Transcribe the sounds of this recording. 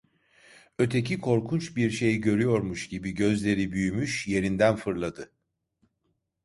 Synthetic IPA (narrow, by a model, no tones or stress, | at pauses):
ø̞t̪ʰe̞cikʰo̞ɾkʰunt͡ʃbiɾʃe̞jiɟø̞ɾyjo̞ɾmuʃɟ̥ibiɟø̞zlʲe̞ɾibyjymyʃje̞ɾind̪ænfɯɾlˠad̪ɯ